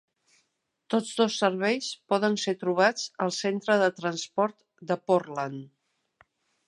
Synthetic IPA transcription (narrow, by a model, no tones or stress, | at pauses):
t̪od͡zðosːəɾβɛjspɔðənset̪ɾuβ̞at͡səlˠsent̪ɾəðət̪ɾənspɔɾt̪ | d̪əporlan